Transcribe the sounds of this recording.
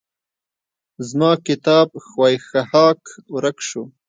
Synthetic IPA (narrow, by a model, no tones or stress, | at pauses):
zmɑːkɪt̪ɑːb̚xwɑːjxahɑːkɾakʃu